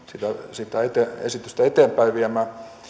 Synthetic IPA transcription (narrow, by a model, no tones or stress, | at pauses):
sit̪æsit̪æet̪eḛsit̪yst̪æet̪eːmpæiʋʋiæmæː